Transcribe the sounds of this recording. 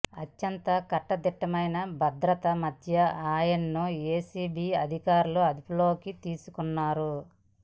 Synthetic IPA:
ɐt͡ʃːɐnt̪ɐkɐʈːɐd̪iʈːɐmɐjnɐbʱɐd̪ɾɐt̪ɐmɐd̪ʱjɐaːjɐnːueːsiːbiːɐd̪ʱikaːɾuluɐd̪ipulo̞ːkit̪iːsukunːaːɾu

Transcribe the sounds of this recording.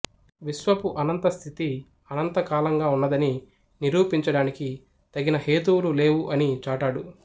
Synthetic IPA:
ʋiʃʋɐpuʔɐnɐnt̪ɐst̪ʰit̪i | ɐnɐnt̪ɐkaːlɐŋɡaːunːɐd̪ɐni | niɾuːpiɲt͡ʃɐɽaːniki | t̪ɐɡinɐhe̞ːt̪uwlule̞ːwuʔɐnit͡ʃaːʈaːɽu

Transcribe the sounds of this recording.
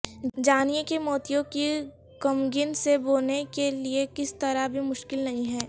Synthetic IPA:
d͡ʒaːnijekemɔːt̪ijõki | kɐmɡɪnseboːnekeliekɪst̪ɐɾabʱimʊʃkɪlnɐɦĩɦɛː

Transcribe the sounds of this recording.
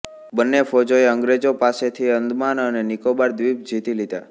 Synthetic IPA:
bənːefod͡ʒoeəŋɡɾed͡ʒopaset̪ʰiənd̪manənenikobaɾd̪ʋip̚d͡ʒit̪ilid̪a̰

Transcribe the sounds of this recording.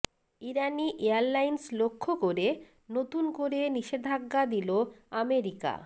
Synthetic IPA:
iɾaniʔeaɾlajnslokʰːokoɾe | not̪unkoɾeniʃed̪ʱaɡːad̪iloameɾika̰

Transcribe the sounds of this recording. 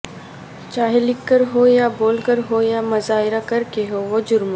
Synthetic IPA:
t͡ʃaːɦelɪkːəɾɦoːjaboːlkəɾɦojamɐzaːɦɪɾakɐɾkeɦoʋod͡ʒʊɾmo

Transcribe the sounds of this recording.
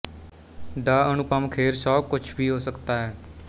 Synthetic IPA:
d̪aːənʊpəmkʰeːɾsɔːkʊt͡ʃʰbʱiːɦoːsəkt̪aːɦɛː

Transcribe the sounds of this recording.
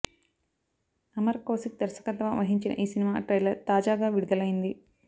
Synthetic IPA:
ɐmɐɾkoːsik̚d̪ɐɾsɐ̥kɐt̪ɐʋɐʋɐɦiɲt͡ʃinɐ̰ʔiːsinimaːʈɾɐjlɐɾt̪aːd͡ʒaːɡaːʋiɽud̪ɐlɐjind̪i

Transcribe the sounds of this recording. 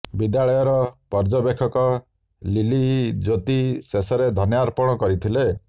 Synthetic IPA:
bid̪jaɭɔjɔɾɔpɔɾd͡ʒɔbekʰɔkɔ | lilid͡ʒot̪isesɔɾed̪ʱɔnjaɾpɔɽ̃ɔkɔɾit̪ʰile

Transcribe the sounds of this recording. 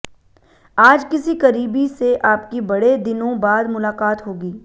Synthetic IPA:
aːd͡ʒkɪsikɐɾiːbiseʔaːpkibɐɽed̪ɪnõbaːd̪mʊlaːqaːt̪ɦoːɡiː

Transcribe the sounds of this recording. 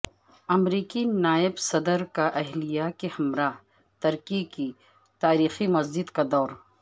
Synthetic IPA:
ɐmɾiːkinaːɪbsɐd̪əɾkaʔɐɦlijakehɐmɾaː | t̪ɐɾkiki | t̪aːɾiːximɐzd͡ʒɪd̪kad̪ɔːɾ

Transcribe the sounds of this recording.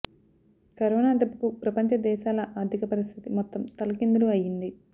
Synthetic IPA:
kɐɾoːnaːd̪ɐbːɐkupɾɐpɐɲt͡ʃɐd̪ɛːʃaːlɐʔaːɾd̪ʱikɐpɐɾist̪ʰit̪imɔt̪ːɐmt̪ɐlɐkind̪uluɐjːind̪i

